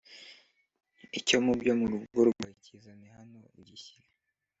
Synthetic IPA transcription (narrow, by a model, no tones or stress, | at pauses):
ico̞mubɟomuɾuβuɾuɡwacizanehanoiɟiçi